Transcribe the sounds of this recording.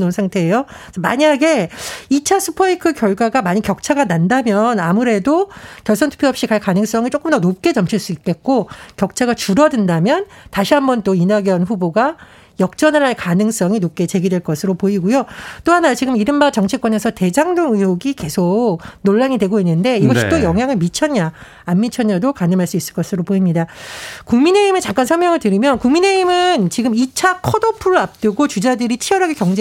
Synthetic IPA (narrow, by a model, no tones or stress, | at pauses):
nonsʰaŋtʰe̞ːjosʰʌma̰ɲiɦaɡe̞it͡ɕʰasʰupʰʌikʰɯkjʌɭɡwaɡamaɲikjʌk̚t͡ɕʰaɡanandamjʌnamuɾe̞dokjʌɭs͈ʌntʰu̥pʰjoɦʌpɕ͈ikaɭkanɯŋs͈ʌŋit͡ɕ͈ok͈ɯmdʌnop̚k͈e̞t͡ɕʌmt͡ɕʰiɭs͈uik̚k͈e̞t̚k͈okjʌk̚t͡ɕʰaɡat͡ɕuɾʌdɯndamjʌntaɕʰiɦambʌnt͈oinaɡjʌnɸuboɡa | jʌk̚t͡ɕ͈ʌnɯɭɦaɭkanɯŋs͈ʌŋinop̚k͈e̞t͡ɕe̞ɡidweɭk͈ʌsʰɯɾopoiɡujot͈oɦanat͡ɕiɡɯmiɾɯmbat͡ɕʌŋt͡ɕʰik͈wʌne̞sʰʌte̞d͡ʑaŋdoŋɯjoɡike̞sʰok̚noɭːaŋidwe̞ɡoinːɯnde̞iɡʌɕit͈ojʌŋɦjaŋɯɭmit͡ɕʰʌɲaː | mːit͡ɕʰʌɲadokanɯmɦaɭs͈uis͈ɯɭk͈ʌsʰɯɾopoimɲidakuŋmine̞imɯt͡ɕak͈ansʰʌɭmjʌŋɯɭtɯɾimjʌnkuŋmine̞imɯnt͡ɕiɡɯmit͡ɕʰakʰʌdopʰuɾɯap̚t͈ɯɡot͡ɕud͡ʑadɯɾit͡ɕʰiʌɾɦaɡekjʌŋd͡ʑe